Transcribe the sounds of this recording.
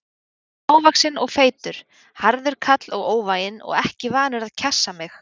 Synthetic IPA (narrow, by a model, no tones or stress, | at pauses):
aːwvaksɪnɔɣfeːjt̪ʏɾ̥ | haɾðɪɾ̥kʰat̪lɔɣoːwvaːjɪnɔ̰ɣɛhcɪvaːnʏɾaðcʰɛsːamɪx